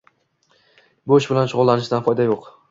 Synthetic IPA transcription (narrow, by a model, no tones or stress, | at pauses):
bʊɪʃbɪlanʃʊʁʊlˠːanɪʃd̪anfɒjd̪ajoq